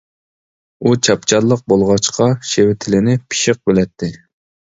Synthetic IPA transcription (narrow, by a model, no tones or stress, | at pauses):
ut͡ʃʰɑpt͡ʃʰɑllˠəq̚bolˠʁɑt͡ʃqʰɑʃewɪt̪ʰɪlɪnɪpʰi̥ʃɪq̚bɪlɛt̪ʰːɪ